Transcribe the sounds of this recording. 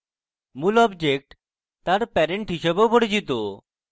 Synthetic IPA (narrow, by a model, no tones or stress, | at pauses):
mulɔbd͡ʑek̚ʈ | t̪aɾpɛɾeɳʈɦiʃebeopoɽit͡ɕit̪o